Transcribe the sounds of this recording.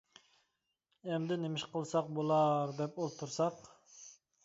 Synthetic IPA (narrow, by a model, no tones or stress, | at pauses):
ɛmd̪ɪnemɪʃqʰəlˠsɑq̚bolˠɑɾd̪ɛpolˠt̪ʰuɾsɑq